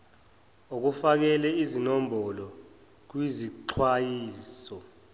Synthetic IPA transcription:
ok̬ufak̬ɛlɛizinombʱɔlɔ | k̬wiziǃʰwajiːsɔ

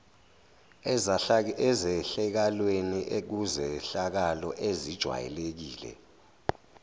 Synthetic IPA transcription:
ɛzzɛɬɛk̬alweniʔek̬uzɛɬak̬alɔʔezid̥ʒ̥ʱwa̰jɛ̰lek̬iːlɛ̰

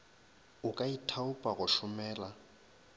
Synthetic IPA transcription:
ʊkʼaitʰaʊpʼaɣʊʃʊmɛːla

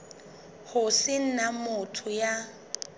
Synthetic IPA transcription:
hʊsɪn̩namʊtʰʊja

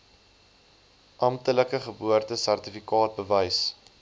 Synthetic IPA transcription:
ʔɐm̚tələkəχəbuərtəsærtifikɑːt̚bəvəjs

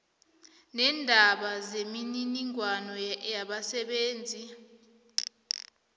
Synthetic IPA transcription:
nɛːndʱaɓazemininiŋwanɔjaɓasɛɓeːnd͡zʱi

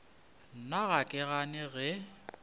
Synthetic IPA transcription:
n̩naɣakʼɛɣanɪɣɛ

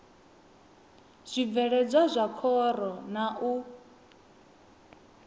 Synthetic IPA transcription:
z̥ʷivɛɺɛd͡zʷazʷakʰɔɾɔnaʔu

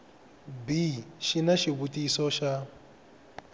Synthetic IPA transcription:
biʃinaʃiβutʼisɔʃa

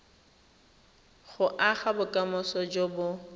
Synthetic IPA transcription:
χʊʔaχabʊkʼamɔsɔd͡ʒobʊ

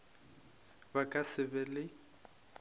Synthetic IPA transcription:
bakʼasɪbɛlɪ

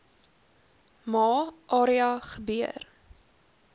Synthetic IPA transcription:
mɑːʔɑːɾiɐχəbiə̰r

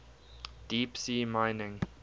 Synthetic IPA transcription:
d̥iːpsiːmãɪnɪ̃ŋ

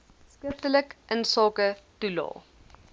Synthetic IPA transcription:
skəftələkʔənsɑːkətulɑ̰ː

